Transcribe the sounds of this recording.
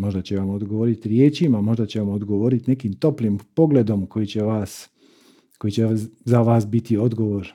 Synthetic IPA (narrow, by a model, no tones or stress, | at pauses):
mo̞ʒd̪at͡ɕeʋamod̪ɡoʋoːɾit̪iɾje̞ːt͡ɕimamo̞ʒd̪at͡ɕeʋamod̪ɡo̞ʋoɾit̪ine̞kimt̪o̞plimpo̞ɡle̞d̪o̞mkojit͡ɕeʋaːs | ko̞jit͡ɕezaʋaːsbit̪io̞d̪ɡo̞ʋo̞ːɾ